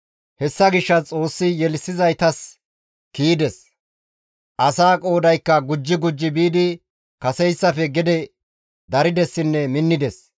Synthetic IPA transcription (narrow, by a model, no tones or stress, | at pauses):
hɛsːɐɡɪʃːɐt͡sʼo̞ːsːɪjɛlsːɪzɐjt̪ɐs | kiːd̪ɛs | ʔɐsaːkʼo̞ːd̪ɐjkːɐɡʊd͡ʒːɪɡʊd͡ʒːɪbiːd̪ɪ | kɐsɛjsːɐfɛɡɪd̪ɛ | d̪ɐɾɪd̪ɛsːɪnːɛmɪnːɪd̪ɛs